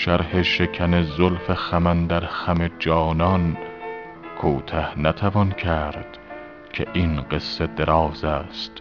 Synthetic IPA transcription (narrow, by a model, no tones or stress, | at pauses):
ʃæɾheʃekʰænezolfexæmænd̪æɾxæmed͡ʒɒːnɒn | kʰoːt̪ʰæhnæt̪ʰævɒnkʰæɾd̪̥ | kʲʰeʔinɢe̞sːed̪eɾɒːzæst̪